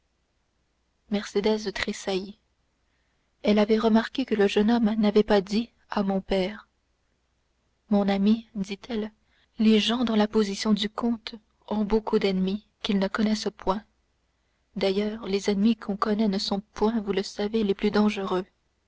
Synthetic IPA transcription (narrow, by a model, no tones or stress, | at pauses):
mɛʁsed̪ɛzt̪χesai | ɛlavɛʁəmaʁkʲekələʒənɔmnavɛpad̪i | amɔ̃pɛːʁ | mɔ̃namid̪it̪ʰɛl | leʒɑ̃d̪ɑ̃lapozisjɔ̃d̪ykʰɔ̃t̪ | ɔ̃bokʰud̪ɛnmi | kʲilnəkɔnɛspwɛ̃ | d̪ajœːʁlezɛnmikʰɔ̃kɔnɛnəsɔ̃pwɛ̃vuləsaveleplyd̪ɑ̃ʒəʁø